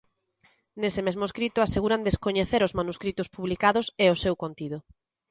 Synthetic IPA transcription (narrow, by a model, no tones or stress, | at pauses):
nesɪmezmoeskɾit̪ʊaseɣuɾand̪eskoɲeθeɾʊzmanuskɾit̪ʊspuβlikaðʊseosewkont̪iðʊ